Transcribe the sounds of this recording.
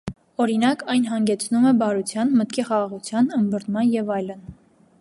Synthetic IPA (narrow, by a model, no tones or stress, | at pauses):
ɔɾinɑkɑjnɦɑŋɡɛt͡sʰnumɛbɑɾut͡sʰjɑnmət̪kiχɑʁɑʁut͡sʰjɑnəmbəɾnmɑnjɛvɑjlən